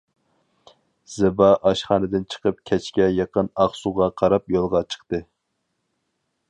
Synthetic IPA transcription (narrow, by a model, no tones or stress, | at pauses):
z̥ɪbɑʔɑʃχɑnɨd̪ɪnt͡ʃʰə̥qəp̚kʲʰɛt͡ʃkʲɛjɑqənɑχsuʁɑqʰɑɾɑpjolˠʁɑt͡ʃʰə̥qt̪ɨ